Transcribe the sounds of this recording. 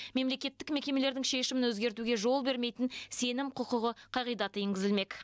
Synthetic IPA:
me̞mle̞kʲe̞t̪ːɪkme̞kʲe̞me̞le̞ɾd̪ɪŋʃe̞ʃɪmɪnwɵzɡʲe̞ɾt̪uɡʲe̞ʒo̞lˠbe̞ɾme̞jt̪ɪnse̞nɪmqʰʊqəʁəqʰɑʁijd̪ɑt̪əeŋɡʲɪzɪlme̞k

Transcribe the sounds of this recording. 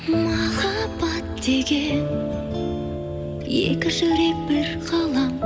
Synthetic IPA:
mɑχɑbɑt̪̚d̪̥eɡʲen | jḛkʲɪʒʏɾek̚bɪɾqʰɑlˠɑm

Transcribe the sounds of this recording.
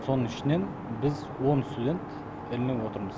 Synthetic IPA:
so̞nəɴɪʃɪne̞n | bɪz | wonst̪ud̪ʲe̞nt̪ | ɪlnɪŋwo̞t̪əɾməz

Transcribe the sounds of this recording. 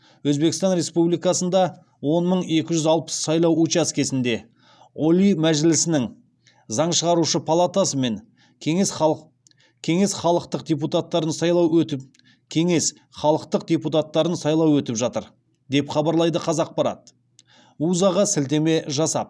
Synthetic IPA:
wɵzbe̞kʲɪst̪ɑnɾe̞spublijkɑsənd̪ɑ | wo̞nməɴe̞kʲɪʒʏzɑlˠpə̥sːɑjlˠɑwut͡ʃaskʲe̞sɪnd̪e̞ | olʲimæʒɪlɪsɪnɪŋ | zɑɴʃəʁɑɾuʃəpʰɑlˠat̪asəme̞ŋʲʰ | ees | kʲʰe̞ŋe̞sχɑlˠəqt̪əq̚d̪ʲep̬ut̪at̪ːɑɾənsɑjlˠɑw | kʲʰe̞ŋe̞s | χɑlˠəqt̪əq̚d̪ʲeput̪at̪ːɑɾənsɑjlˠɑwɵt̪ɪpʒɑt̪əɾ | d̪e̞pχɑbɑɾlˠɑjd̪əqʰɑzɑq̚pɑɾɑ̰t̪ | uzɑʁɑsɪlt̪e̞me̞ʒɑsɑ̰p̚

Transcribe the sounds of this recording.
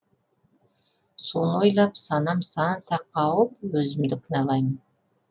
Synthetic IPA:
sonojlˠɑpsɑnɑmsɑnsɑqːɑwəp̚wɵzɪmd̪ɪkʰɪnɑlˠɑjmən

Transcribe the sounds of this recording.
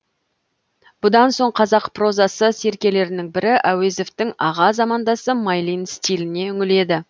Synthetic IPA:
b̥ʊd̪ɑnso̞ɴqʰɑzɑqpro̞zɑsəse̞ɾkʲe̞le̞ɾɪnɪŋbɪɾɪʔæweze̞ft̪ɪŋɑʁɑzɑmɑnd̪ɑsəmɑjlˠijnst̪ʲilɪne̞ʏŋʲɪle̞d̪ɪ

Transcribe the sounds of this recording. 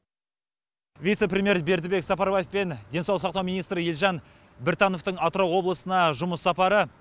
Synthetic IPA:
vʲijt̪se̞prʲemʲje̞ɾbe̞ɾd̪ɪbe̞ksɑpɑɾbajefpe̞nd̪ʲe̞nsɑlˠəsɑq̚t̪ɑwmijnijst̪ɾɪjelʲʒɑn | bɪɾt̪ɑno̞ft̪əɴɑt̪ɾowwo̞blˠəsənɑʒʊməsːɑpɑɾə

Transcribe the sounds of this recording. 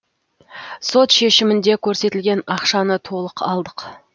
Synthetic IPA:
so̞t̪ʃe̞ʃɪmɪnd̪e̞kʲʰɵɾse̞t̪ɪlɡʲe̞nɑqʃɑnət̪ʰo̞lˠəqʰɑlˠd̪əq

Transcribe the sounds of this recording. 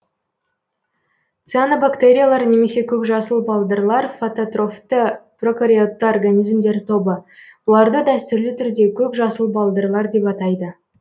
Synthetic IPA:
t̪sɨanobakt̪eɾʲijalˠɑɾne̞me̞se̞kʲʰɵkʒɑsəlˠbɑlˠd̪əɾlˠɑɾfot̪ot̪ro̞ft̪əpro̞kɾʲiot̪ːəorɡanijzmd̪e̞ɾt̪ʰo̞bəb̥ʊlˠɑɾd̪əd̪æst̪ʏɾlɪt̪ʰʏɾd̪e̞kʲʰɵkʒɑsəlˠbɑlˠd̪əɾlˠɑɾd̪e̞pɑt̪ɑjd̪ə

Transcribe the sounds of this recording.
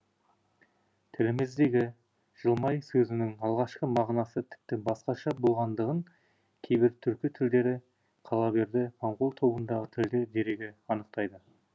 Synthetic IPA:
t̪ʰɪlɪmezd̪eɡʲɪ | ʒ̥əlˠmɑjsɵzɪnɪŋɑlˠʁɑʃqəmɑʁnɑsət̪ʰɪ̥p̚t̪ɪbɑsqɑʃɑbo̞lˠʁɑnd̪əʁəŋ | kʲʰejbɪɾt̪ʰʏɾkʲit̪ʰɪld̪e̞ɾɪ | qʰɑlˠɑbe̞ɾd̪ɪmʰɑɴʁo̞lˠt̪ʰo̞bənd̪ɑʁət̪ʰɪld̪ed̪e̞ɾe̞ɡʲeɑnəq̚t̪ɑjd̪ə

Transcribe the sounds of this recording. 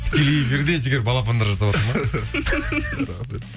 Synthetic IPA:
t̪ʰɪ̥kʲe̞lijfiɾd̪e̞d͡ʒɡʲeɾbɑlˠapɑnd̪ɑɾʒɑsɑwat̪əɾmɑ | ɾ

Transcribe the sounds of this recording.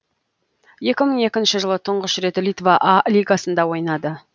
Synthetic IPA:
je̞kʲɪməɴe̞kʲɪnʃɪʒəlˠət̪ʰəɴʁəʃɾe̞t̪lʲit̪vaʔalʲiɡasənd̪ɑwo̞jnɑd̪ə

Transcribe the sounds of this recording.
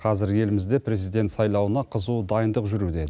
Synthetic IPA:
qʰɑzɪɾje̞lɪmɪzd̪e̞pʰɾʲe̞zijd̪ʲe̞nt̪sɑjlˠɑwənɑqʰəzud̪ɑjənd̪əqʒʏɾud̪e̞

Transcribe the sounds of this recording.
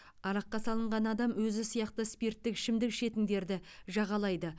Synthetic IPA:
ɑɾɑqːɑsɑlˠəɴʁɑnɑd̪ɑmwɵzɪsijɑqt̪əspeɾt̪ːɪkʃɪmd̪ɪkʃe̞t̪ɪŋd̪e̞ɾd̪ɪʒɑʁɑlˠɑjd̪ə

